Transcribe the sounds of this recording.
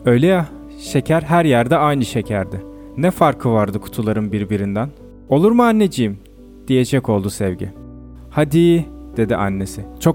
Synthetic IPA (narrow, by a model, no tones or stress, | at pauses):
ø̞jlʲeja | ʃe̞cʰæɾɦæɾjæɾd̪ɛajnɯʃe̞cʰæɾd̪ɪ | nɛfaɾkʰɯvaɾd̪ɯkʰu̥t̪ʰulˠaɾɯnbiɾbiɾind̪æn | o̞lˠuɾmaanːe̞d͡ʒijim | d̪̥ije̞d͡ʒɛco̞lˠd̪usɛvɟḭ | had̪iːd̪̥e̞d̪ḭʔa̰nːe̞sɪt͡ʃʰo̞